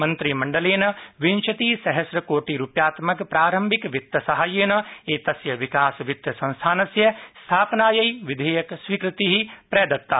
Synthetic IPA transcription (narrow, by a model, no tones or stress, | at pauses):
mɐnt̪ɾimɐɳɖɐleːnɐʋint͡ʃɐt̪iːsɐɦɐsɾɐkoːʈiɾupjaːt̪mɐkpɾaːɾɐmbʱikʋit̪ːɐsɐɦaːjeːnɐeːt̪ɐsjɐʋikaːsʋit̪jɐsɐ̃ñst̪ʰaːnɐsjɐst̪ʰaːpnaːjɐjʋid̪ʱɐːjɐksʋiːkɾɪt̪iɦipɾeːd̪ɐt̪ːaː